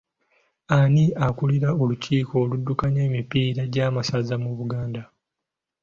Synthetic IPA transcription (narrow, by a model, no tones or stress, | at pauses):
aniakuliɾao̞luciːkʰo̞ːludːukaɲe̞ːmipiːɾaɟamasazamuβuɡaːnda